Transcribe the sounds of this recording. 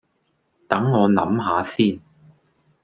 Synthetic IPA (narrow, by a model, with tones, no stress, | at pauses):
t̪ɐ˨˥ŋːɔː˨˧nɐ̰˨˥mɦaː˨˧siː˥n